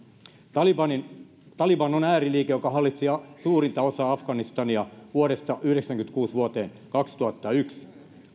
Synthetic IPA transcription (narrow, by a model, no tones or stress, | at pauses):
ɑliɑnin | t̪ɑlibɑnonæːɾiliːkejokɑɦɑlːit̪siɑsuːrint̪ɑosɑːɑfɡɑnist̪ɑniɑʋuoɾest̪ɑʔyhɾeksæŋkynt̪kuːsʋuot̪eːn | kɑkst̪uɑt̪ːɑyks